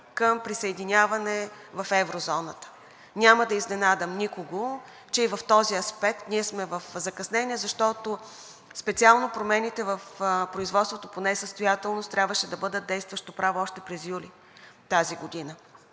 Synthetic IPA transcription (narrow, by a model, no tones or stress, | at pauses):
kəmpɾisɐɛd̪inʲavɐnɛ | vɐfɛvɾozɔnət̪ə̥ | nʲaməd̪ɐiznɛnad̪əmnikoɡo | t͡ʃɛivɐft̪ɔziɐspɛk̚t̪niɛsmɛvəfzɐkɐsnɛnʲiɛzɐʃt̪ɔt̪o | spɛt̪sialˠnopɾomɛnit̪ɛvəfpɾoizvɔt̪st̪vot̪oponɛsəst̪ojat̪ɛlˠnost̪ːɾʲabvəʃɛd̪ɐbɤd̪ət̪̚d̪ɛjst̪vəʃt̪opɾavoɔʃt̪ɛpɾɛzjuli | t̪aziɡod̪inə